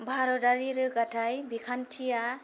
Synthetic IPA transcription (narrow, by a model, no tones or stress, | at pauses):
bʱaɾɔdaɾiɾɯɡatʰajbikʰantʰija